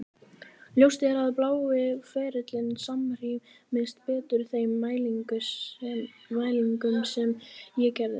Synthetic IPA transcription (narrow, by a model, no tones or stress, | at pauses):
ljowst̪ɛɾaðplaːwvɪfɛːɾɪt̪lɪnsamr̥imɪnst̪pɛːt̪ʏɾ̥θejmːaːjliŋkʏ | maːjliŋkʏmsɛmjɛcɛɾðɪ̰